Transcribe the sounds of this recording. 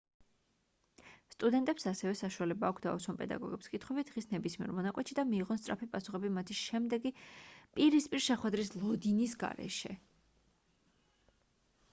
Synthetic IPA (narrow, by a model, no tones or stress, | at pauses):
st̪ʼud̪ɛnt̪ʼɛpsasɛvɛsaʃualɛbaːkʷʰd̪a̰usɔnpʼɛ̰d̪a̰ɡɔ̰ɡɛpskʼit̪ʰχwɛbit̪̚d̪ʁisnɛbismiɛ̰ɾmɔnakʼwɛt̪ʃid̪amiːʁɔnsʼɾʔa̰pʰipʼasu̥χɛbimat̪ʰiʃɛmd̪ɛɡipʼiɾispʼiɾʃɛχwɛd̪ɾislˠɔd̪inisɡa̰ɾɛ̰ʃɛ̰